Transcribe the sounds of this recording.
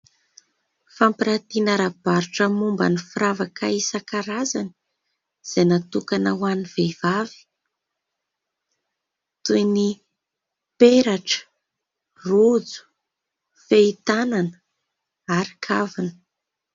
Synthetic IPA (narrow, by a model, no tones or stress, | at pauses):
fampiɾat̪inaɾab̥aɾuʈ͡ʂəmumba̰nifiɾavakaisakaɾazani̥ | z̥enat̪ukanawaniv̥evavi̥ | t̪ujni | peɾaʈ͡ʂə̥ | rud͡zu̥ | feit̪ananə̥ | aɾikʰavinə̥